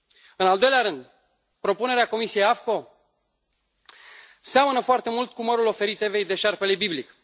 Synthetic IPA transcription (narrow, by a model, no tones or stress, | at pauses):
ɨnald̪o̞jleaɾɨnd̪ | pɾo̞pune̞ɾeako̞misije̞jafko̞ | seamənəfoart̪e̞mult̪kuməɾulo̞fe̞ɾit̪e̞ve̞jd̪e̞ʃarpe̞lebiblik